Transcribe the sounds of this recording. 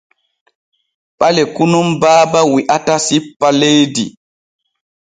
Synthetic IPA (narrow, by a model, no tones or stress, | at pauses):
ɓalɛkunumbaːbawiʔatasipːalejdi